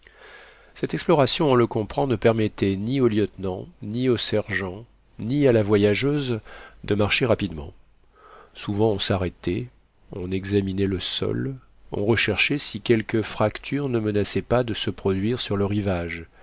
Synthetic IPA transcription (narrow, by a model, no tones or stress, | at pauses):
sɛt̪ɛksplɔʁasjɔ̃ɔ̃ləkɔ̃pχɑ̃nəpɛʁmɛt̪ɛnioljət̪nɑ̃niosɛʁʒɑ̃ | nialavwajaʒøzd̪əmaʁʃeʁapid̪mɑ̰̃ | suvɑ̃ɔ̃saʁɛt̪ɛ | ɔ̃nɛɡzaminɛləsɔ̰l | ɔ̰̃ʁəʃɛʁʃɛsikʲɛlkəfχakt̪ʰyʁnəmənasɛpad̪əsəpχɔd̪ɥiʁsyʁləʁivaʒ